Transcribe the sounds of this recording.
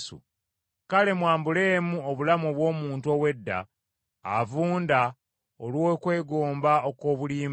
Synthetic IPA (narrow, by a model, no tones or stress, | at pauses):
sṵ | kale̞mwaːmbule̞ːmuoβulamuoβwo̞ːmuːntuo̞we̞dːa̰ː | vuːnda | olwokwe̞ːɡoːmbaoko̞ːβuliːm